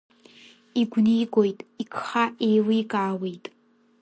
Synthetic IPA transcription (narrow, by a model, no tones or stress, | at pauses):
iɡʷnijɡʷojtʼikʰχaʔejlijkʼaːwejtʼ